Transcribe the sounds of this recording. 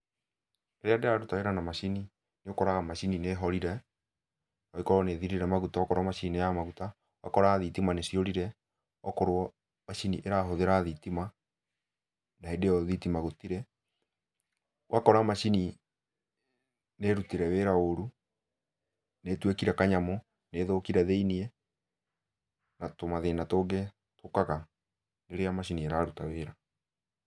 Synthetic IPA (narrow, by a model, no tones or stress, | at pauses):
ɾeadeaɾutaeɾanamaʃini | neokɔɾaɣamaʃinineɦɔɾiɾɛ | ɔikɔɾwɔneðiɾiɾɛmaɣutaɔkɔɾamaʃininejamaɣuta | wakɔɾaðitimanesioɾiɾɛ | ɔkoɾoɔ | maʃiniʔeɾaɦoðeɾaðitima | naedeɔðitimaɣotiɾɛ | wʔakɔɾamaʃini | neɾutiɾɛweɾaoɾu | netwekiɾɛkaɲamɔ | neːðokiɾɛðeiniɛ | natomaðenatoɡe | tokaɣa | neɾeamaʃinieɾaɾutaweːɾa